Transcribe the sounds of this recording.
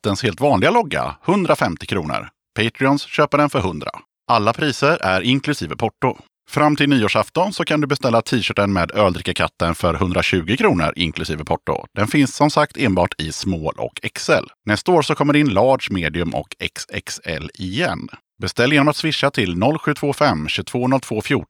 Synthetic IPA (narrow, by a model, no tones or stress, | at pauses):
t̪ːənsheːlt̪vɑːnlɪɡalɔɡːa̰hɵnd̪ɾafɛmt̪ɪkʰɾuːnə̰ɾ | pʰɛɪt̪ɾɪɔnsɕøːpəɖɛnfœɾhɵnd̪ɾa̰ | ʔalːapʰɾiːsəɾʔæɾɪŋkʰlɵsiːvəpʰɔʈːʊ | fɾamːt̪ʰɪlniːoːʂaft̪ɔnsɔkʰand̪ɵbɛst̪ɛlːat̪ʰiːɕœːʈːənmeːd̪øːld̪ɾɪkːakʰa̰t̪ːənfœɾhɵnd̪ɾaɕʉ̟ːɡɪkʰɾuːnə̰ɾʔɪ̰ŋkʰlɵsiːvəpʰɔʈːʊ̰d̪̥ɛnfɪnsːɔmsakt̪ʰeːnbɑ̰ːʈʰɪsmoːlʔɔ̰kʰɛksɛ̰lnɛst̪aoːɾsɔkʰɔmːəɖɛɪnlɑːɖʂmeːd̪ɪɵmʔɔ̰kʰɛ̰ksɛ̰ksɛ̰lɪjɛ̰n | bɛst̪ɛlːjeːnɔmat̪svɪʂːat̪ʰɪlnɔlːɧʉ̟ːt̪ʰvoːfɛmːɕʉt̪ʰv̥oːnɔlt̪ʰvoːfjuː